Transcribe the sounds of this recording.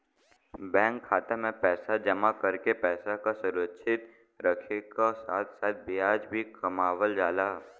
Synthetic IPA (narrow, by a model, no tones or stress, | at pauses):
bɛ̃ːŋkʰːaːt̪emẽpɛːsad͡ʒəmakəɾkepɛːsakasʊɾətːʃʰɪt̪ | ɾəkʰekasaːt̪ʰsaːt̪̚ʰbiaːd͡ʒbʱikɐmaːwəld͡ʒaːlaː